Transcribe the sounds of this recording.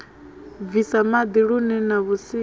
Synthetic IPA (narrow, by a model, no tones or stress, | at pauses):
visamad̪iɺunɛnaβusi